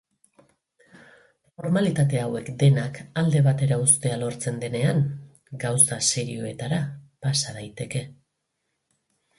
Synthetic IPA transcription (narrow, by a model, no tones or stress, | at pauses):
fo̞ɾmalit̪at̪e̞awe̞kd̪e̞nakald̪e̞βat̪e̞ɾaust̪e̞alo̞ɾt͡se̞nd̪e̞ne̞aŋ | ɡawsase̞ɾio̞e̞t̪aɾapasaðajt̪e̞ke̞